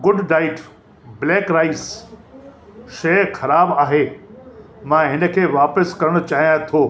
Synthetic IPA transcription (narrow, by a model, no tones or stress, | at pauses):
ɡʊɖnaːɪʈ | bleːkɾaːɪs | ʃɐxɐɾaːbaːɦeː | mãːɦɪnə̆kʰeːʋaːpəskɐɾəɽ̃ʊt͡ɕaːɦijãt̪ʰoː